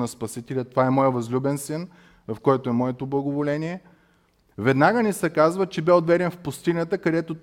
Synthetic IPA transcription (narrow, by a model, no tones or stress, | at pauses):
nɐspɐsit̪ɛlʲət̪ovaɛmɔjəvɐzlʲubɛnsɛn | vɐfkɔjt̪oɛmɔɛt̪oblˠɐɡovolɛniɛ | vɛd̪naɡənisɛkazvət͡ʃɛbɛod̪vɛɾʲɛnfpʊst̪inʲət̪əkɐd̪ɛt̪o